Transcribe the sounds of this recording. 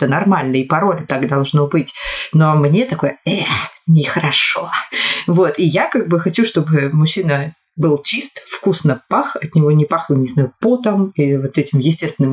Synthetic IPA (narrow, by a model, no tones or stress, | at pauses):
ɛt̪ənɐrmalʲnəɪpɐɾo̞lʲt̪akd̪ɐlˠʐnobɨtʲnomnʲe̞t̪ɐko̞jəɛnʲɪxəɾɐʂovo̞t̪ijakaɡ̚bɨxɐt͡ɕuʂt̪o̞bɨmʊɕːinə | bɨlˠt͡ɕist̪fkusnəpaxɐt̪nʲɪvo̞nʲɪpaxlˠənʲɪznajʊpot̪əmivot̪ɛtʲɪmjɪsʲtʲest̪vʲɪnɨm